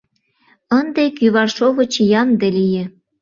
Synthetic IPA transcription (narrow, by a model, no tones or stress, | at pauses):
ənd̪ekyβɑrʃoβɤ̆t͡ɕjɑmd̪elijĕ